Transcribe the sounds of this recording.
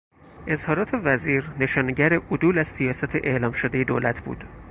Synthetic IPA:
ʔe̞zhɒːɾɒːt̪ʰe̞væziːɾne̞ʃɒːneɟæɾeʔod̪uːlæz̥sijɒːsæt̪ʰeʔeʔlɒːmʃod̪ejed̪oːlæt̪ʰb̥ṵːd̪̥

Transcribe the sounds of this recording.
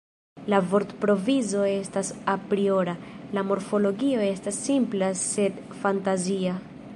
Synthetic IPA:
lavo̞ɾtpɾo̞vizo̞e̞stasapɾio̞ɾalamo̞ɾfo̞lo̞ɡio̞e̞stasːimplase̞d | fantazia

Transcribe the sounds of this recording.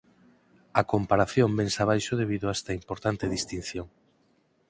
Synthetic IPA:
ɐkompaɾaθjombensaβ̞ajʃoð̞eβ̞iðʊaest̪aimpoɾt̪ant̪eðist̪in̟θjoŋ

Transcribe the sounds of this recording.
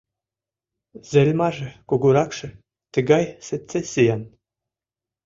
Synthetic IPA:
zelʲmɑʒɘ̆kuɡuɾɑkʃɘ̆ | t̪ə̆ɡɑjsɘ̆tt͡sːesijɑn

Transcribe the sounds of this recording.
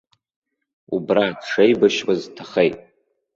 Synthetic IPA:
ubradʈ͡ʂejbaʃwaztʰaχejtʼ

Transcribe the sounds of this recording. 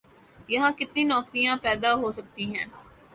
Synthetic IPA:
jɐɦãːkɪt̪nĩːnɔːkɾijãːpɛːd̪aɦoːsɐk̚t̪iɦɛ̃ː

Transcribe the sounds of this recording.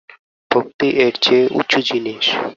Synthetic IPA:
bʱok̚t̪iʔeɾt͡ɕʰeʔṵtːɕʰod͡ʑiniʃ

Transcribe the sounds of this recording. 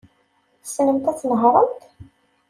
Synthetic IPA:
θsnəmt̪æt͡sːnəɦɾˤəmt̪

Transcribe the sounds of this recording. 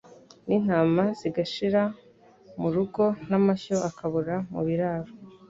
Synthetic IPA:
nin̥aːmaz̥iɡaʃiɾa | muɾuɡo̞namaçoakaβuɾamṵβiɾaːɾo

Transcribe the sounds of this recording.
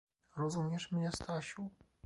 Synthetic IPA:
ɾɔzumʲɛʂmɲɛst̪aɕu

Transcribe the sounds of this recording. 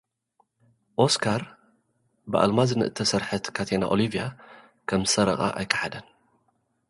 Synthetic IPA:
ʔoskʰaɾ | bɨʔa̰lmazɨnɨʔɨ̰t̪ʰːɐsɐɾħɐt̪kʰat̪ʰena̰ʔolivija | kʰɐmzɨ̥sɐɾɐχʼa̰ʔa̰jkʰːɐ̥ħad̪ɐn

